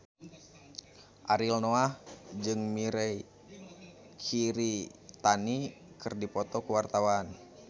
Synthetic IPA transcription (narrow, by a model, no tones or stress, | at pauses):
ʔaɾilnoahd͡ʒɨŋmiɾɛj | kʰiɾit̪ani | kɨrdipɔt̪ɔkuwart̪awan